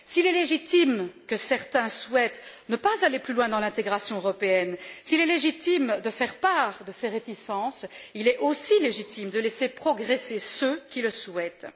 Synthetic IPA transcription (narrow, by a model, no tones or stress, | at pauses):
silɛleʒit̪imkəsɛʁt̪ɛ̃swɛt̪nəpazaleplylwɛ̃d̪ɑ̃lɛ̃t̪eɡʁasjɔ̃øʁɔpeɛnsilɛleʒit̪imd̪əfɛʁpaʁd̪əseʁet̪isɑ̃s | ilɛʔosileʒit̪ʰimd̪əlɛsepχɔɡʁesesøkʲiləswɛt̪